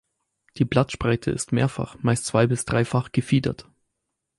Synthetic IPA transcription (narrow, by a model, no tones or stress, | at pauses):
d̥iːblatʃpʁ̥aɪtʰə̰ʔɪ̰stmeːɐfa̰χmaɪstt͡sv̥aɪbɪsd̥ʁaɪfaχɡ̥əfiːdɐ̰t